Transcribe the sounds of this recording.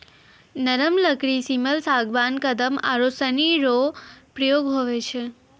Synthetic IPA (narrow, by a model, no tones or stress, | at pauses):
nəɾəmləkɾisiməlsaɡʋankəd̪əma̰ɾosəniɾopɾəjoɡɦoʋet͡ʃʰe